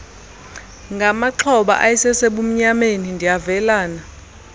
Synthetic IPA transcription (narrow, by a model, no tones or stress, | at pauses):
ŋɡʱamaǃʰɔɓa̰ʔajɛsɛseɓum̩ɲamenindʱijavɛlaːna